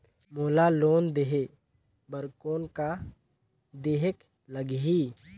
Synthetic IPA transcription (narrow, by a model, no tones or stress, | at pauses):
moːlaloːnd̪eɦe | bəɾkoːnka | d̪eːɦək | ləɡɦi